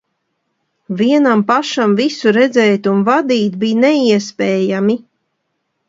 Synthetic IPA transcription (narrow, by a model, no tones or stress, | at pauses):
viɛnampaʃamvisuɾɛd̪zɛːt̪unvad̪iːt̪biːnɛiɛspɛːjami